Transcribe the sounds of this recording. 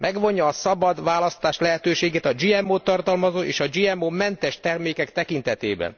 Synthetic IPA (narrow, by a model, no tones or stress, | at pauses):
mʔɛɡʋo̞ɲjɒːsɒbɒd̪ʋaːlɒst̪aːʃlɛɦɛt̪øːʃeːɡeːt̪ɒd͡ʒiːɛmoːt̪ːɒrt̪ɒlmɒzoːʔeːʃɒd͡ʒiɛmːoːmɛnt̪ɛʃt̪ɛrmeːkɛkt̪ɛkint̪ɛt̪ḛːbɛ̰n